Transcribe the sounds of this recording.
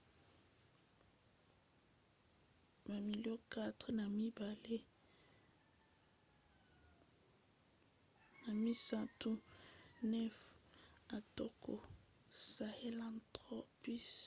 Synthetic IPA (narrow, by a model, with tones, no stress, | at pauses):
ma˨mi˨ljo˦ka˦tχna˨mi˦ba˨le˦ | na˨mi˦sa˦tu˦nɛ˦fa˨to˦ko˨ | sa˨he˦lã˨ntʁɔ˦pi˦s